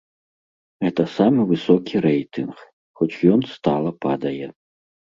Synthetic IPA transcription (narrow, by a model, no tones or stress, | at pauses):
ɣɛt̪ɐsamɨvɨsɔkʲʰiɾɛjt̪ɨnx | xɔt͡ʃjɔnst̪alˠɐpa̰d̪ɐjɛ